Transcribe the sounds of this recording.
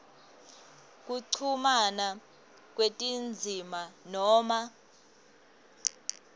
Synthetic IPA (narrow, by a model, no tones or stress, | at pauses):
k̬ʼuǀʰumana | k̬ʼwetʼind͡zʱimanɔːma